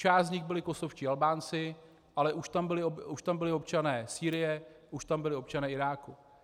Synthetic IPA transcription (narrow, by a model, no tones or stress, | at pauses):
t͡ʃaːzzɲɪxbɪlɪko̞sofʃciːalbaːnt͡sɪ | ʔalɛʔuʃt̪ambɪlɪouʃt̪ambɪlɪo̞pt͡ʃanɛːsiːɾɪjɛʔuʃt̪ambɪlɪo̞p̚t͡ʃanɛːʔɪɾaːku